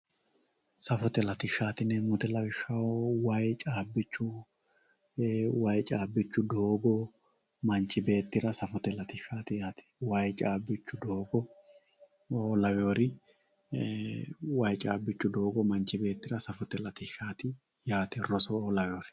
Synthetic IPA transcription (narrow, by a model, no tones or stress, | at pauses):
sɐfɔt̪ɛlɐt̪ɪʃːaːt̪ɪnɛmʊt̪ɛlɐwɪʃːɐwowɐjt͡ʃʼaːbːɪt͡ʃːʊ | wɐjt͡ʃʼaːbːɪt͡ʃːʊd̪o̞ːɡɔ | mɐɲt͡ʃːɪbe̞ːt̪ːɪɾɐsɐfɔt̪ɛlɐt̪ɪʃaːt̪ɪjaːt̪ɛ̥wɐjt͡ʃʼaːbːɪt͡ʃːʊd̪o̞ːɡɔ | oːlɐwɛjoːɾɪ | wɐjt͡ʃʼaːbːɪt͡ʃːʊd̪oːɡɔmɐnt͡ʃːɪbe̞ːt̪ːɪɾɐsɐfɔt̪ɛlɐt̪ɪʃaːt̪ɪ | jaːt̪ɛrɔsɔoːlɐwɛoːɾɪ